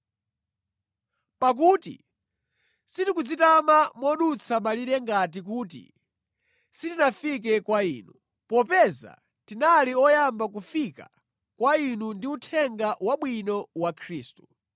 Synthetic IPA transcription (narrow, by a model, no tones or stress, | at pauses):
pak̬utḭ | sitikud͡zitamamɔɗut͡sʰamaliɾɛŋɡat̬ik̬uːt̬ḭ | sitinafik̬ɛkwaiːnu | pɔpɛza̰ | tinaliɔjambak̬ufika | kwainundiutʰɛŋɡawaɓwinɔwakʰɾiːstu̥